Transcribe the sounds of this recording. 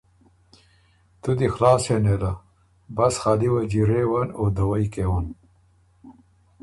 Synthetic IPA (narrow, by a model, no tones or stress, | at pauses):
t̪ud̪ixlɑːsened̪a | bɐsxaːliwɐd͡ʑiɾewɐnod̪ɐwɐjkewɐn